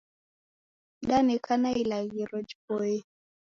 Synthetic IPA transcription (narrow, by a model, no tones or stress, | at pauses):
ɗanɛkʰanailaɣiɾɔd͡ʒpɔɛ